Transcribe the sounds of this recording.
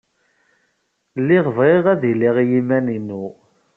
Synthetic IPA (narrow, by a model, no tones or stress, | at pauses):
lːɪʁvʁeʁæðiliʁjimæninu